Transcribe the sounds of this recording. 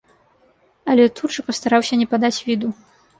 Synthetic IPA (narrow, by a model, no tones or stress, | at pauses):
ɐlʲɛt̪uʐɨpɐst̪aɾawsʲɐnʲɛpad̪at͡sʲvʲid̪u